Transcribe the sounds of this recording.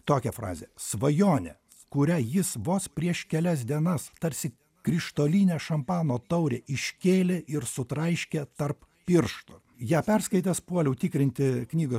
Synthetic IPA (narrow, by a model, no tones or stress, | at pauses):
t̪oːkʲɛfɾɑ̰ːzʲɛ̰sʋɐjoːnʲɛ̰ | kʊɾʲæjɪsʋoːspʲɾʲiɛʃkʲɛlʲɛs̬ʲd̪ʲiɛnɐst̪ɐɾʲsʲɪ | kɾʲɪʃt̪oːlʲiːnʲɛːʃɐmpɑːnoːt̪ɐʊɾʲeːʔɪʃʲkʲeːlʲeʔɪɾsʊt̪ɾɐɪʃʲkʲɛt̪ɐrp | pʲɪɾʃt̪ʊ | jæːpʲɛɾskɐɪt̪ʲɛspuɔlʲɛʊt̪ʲikɾʲɪnʲt̪ʲɪknʲiːɡo